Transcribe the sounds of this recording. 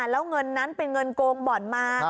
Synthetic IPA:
lɛ˨˦˥wŋə˧nːa˨˦˥npe˧nŋə˧nkoː˧ŋɓɔː˨˩˦nmaː˧

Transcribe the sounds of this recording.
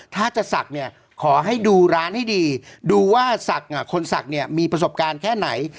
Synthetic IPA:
t̪ʰaː˥˩t͡ɕa˨˩ʔsa˨˩k̚ni˥˩ɐ | kʰɔː˩˦ɦa˥˩jduː˧ɾaː˦˥nha˥˩jdiː˧duː˧waː˥˩sa˨˩k̚ʔa˨˩kʰo˧nsa̰˨˩k̚ni˥˩ɐmiː˧pɾa˧s̬o˨˩p̚kaː˧nkʰɛː˥˩na˩˦j

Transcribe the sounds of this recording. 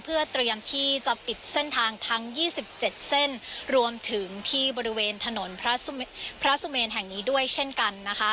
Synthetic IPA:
pʰɯ˥˩ɐt̪ɾi˧əmt̪ʰiː˥˩t͡ɕa˨˩pi˨˩t̪̚se˥˩nt̪ʰaː˧ŋt̪ʰa˦˥ŋjiː˥˩si˨˩p̚t͡ɕe˨˩t̪̚se˥˩nɾu˧əmt̪ʰɯ˩˦ŋt̪ʰiː˥˩bɔː˧ɾi˦˥weː˧nt̪ʰa˧no˩˦npʰɾa˦˥pʰɾa˦˥su˧meː˧nɦɛ˨˩ŋniː˦˥du˥˩əjt͡ɕʰe˥˩nka˧nːa˦˥kʰa˦˥

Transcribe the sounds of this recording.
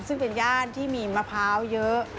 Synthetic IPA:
sɯ˥˩ŋpe˧njaː˥˩nt̪ʰiː˥˩miː˧ma˧pʰaː˦˥wjɤ˦˥ʔ

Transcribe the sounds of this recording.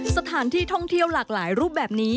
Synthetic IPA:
sa˧t̪ʰaː˩˦nt̪ʰiː˥˩t̪ʰɔ˥˩ŋt̪ʰi˥˩əwlaː˨˩k̚laː˩˦jɾuː˥˩p̚bɛː˨˩p̚niː˦˥

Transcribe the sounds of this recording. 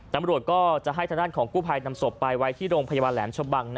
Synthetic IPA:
t̪a˨˧˦mɾu˨˩ət̪̚kɔː˥˩t͡ɕa˨˩ʔɦa˥˩j̪ʰaː˧d̪aː˥˩nkʰɔː˩˦ŋkuː˥˩pʰaː˧jna˧mso˨˩pːa˧jwa˦˥jt̪ʰiː˥˩ɾoː˧ŋpʰa˧ja˧baː˧nlɛː˩˦mt͡ɕʰo˧ba˧ŋn˦

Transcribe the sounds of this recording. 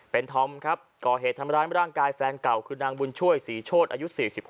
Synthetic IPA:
pe˧nt̪ʰɔ˧˥mkʰɾa˦˥p̚kɔː˨˩ɦeː˨˩t̪ʰːa˧mɾaː˧˥jm˦ɾaː˥˩ŋkaː˧jfɛː˧nkla˨˩wkʰɯː˧naː˧ŋbu˧nt͡ɕʰu˥˩əjsiː˩˦t͡ɕʰoː˥˩t̪̚ʔaː˧ju˦˥siː˨˩si˨˩p̚h

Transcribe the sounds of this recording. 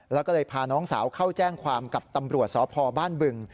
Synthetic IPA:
lɛː˦˥wkɔː˥˩lɤː˧jpʰaː˧nɔː˦˥ŋsaː˩˦wkʰa˥˩wt͡ɕɛː˥˩ŋkʰwaː˧mka˨˩p̚t̪a˧mɾu˨˩ət̪̚sɔː˩˦˥pʰɔː˧baː˥˩nbɯ˧ŋ

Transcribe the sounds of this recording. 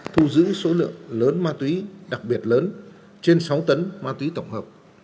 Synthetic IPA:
t̪ʰu˧zɨ̰˧˥so˨˦lɨ̰˧˨əŋləː˨˦nmaː˧t̪wi˨˦ɗa˨˩k̚ɓi˨˩ət̚ləː˨˦n | t͡ɕe˧nsa˨˦wt̪ə˨˦nmaː˧t̪wi˨˦t̪ə˧˩wŋ͡mhəː˨˩p̚

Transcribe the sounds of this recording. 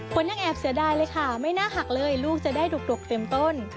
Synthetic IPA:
kʰo˨˩˦nja˧˩ŋʔɛː˨˩p̚si˨˩˦ɐdaː˧jlɤː˧jkʰa˥˩ma˥˩jnaː˥˩ɦa˨˩k̚lɤː˧jluː˥˩k̚t͡ɕa˨˩daː˥˩jdo˨˩k̚do˨˩k̚t̪e˧mt̪o˥˩n

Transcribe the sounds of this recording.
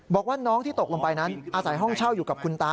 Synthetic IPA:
bɔː˨˩k̚waː˥˩nɔː˦˥ŋt̪ʰiː˥˩t̪o˨˩k̚lo˧ŋpa˧jna˦˥nʔaː˧sa˩˦jɦɔ˥˩ŋt͡ɕʰa˥˩wjuː˨˩ka˨˩p̚kʰu˧nt̪aː˧˥

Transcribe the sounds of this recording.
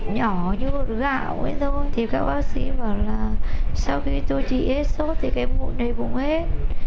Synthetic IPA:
ɲɔ˧˩ɲɨ˧vo˨˩t̚ɣa̰ː˧˨wŋwḭ˧ənt̪ʰə˧nt̪ʰi˨˩kaː˦˥k̚ɓaː˨˦k̚si˨˦vəː˨˩laː˨˩sa˧wxi˧t̪o˧jt͡ɕḭ˧˨he˦˥t̚so˦˥t̚t̪ʰi˨˩ka˨˧˦mmu˧˦nə˨˩jkʊ̰˧˥ŋ͡mhe˦˥t̚

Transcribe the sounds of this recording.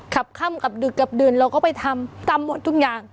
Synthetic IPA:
kʰa˨˩p̚kʰa˧˥˨mka˨˩p̚dɯ˨˩kːa˨˩p̚dɯː˨˩nɾa˧wkɔː˥˩pa˧jt̪ʰa˧mt̪aː˧mːo˨˩t̪ʰːu˥˩k̚jaː˨˩ŋ

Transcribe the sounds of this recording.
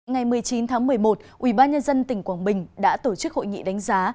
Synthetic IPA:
ŋa˨˩jmɨ˨˩əjt͡ɕi˨˦nt̪ʰaː˨˦ŋmɨ˨˩əjmo˨˩t̚ʔwi˧˩ɓaː˧nɲə˧nzə˧nt̪ï˨˩ŋ̟kwaː˧˩nɓï˨˩ŋ̟ɗa̰ː˧˥t̪o˧˩t͡ɕɨ˦˥k̚ho̰˧˨jŋḭ˧˨ɗa˨˦jŋ̟zaː˨˦

